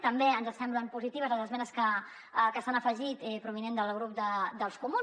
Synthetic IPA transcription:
t̪əmbeənzəsɛmbləmpuzit̪iβ̞əzəzəzmɛnəskə | kəst̪anəfəʒit̪ipɾuβ̞inend̪əlˠɣ̞ɾup̚d̪əd̪əlˠskumun

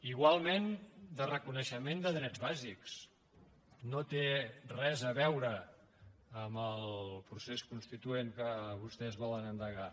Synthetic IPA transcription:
iɣwalˠmend̪ərəkunəʃəmend̪əðɾɛd͡zβaziks | not̪erɛzəβɛwɾəː | məlˠpɾuseskunst̪it̪ueŋkəβust̪ɛzβɔlənənd̪əɣa

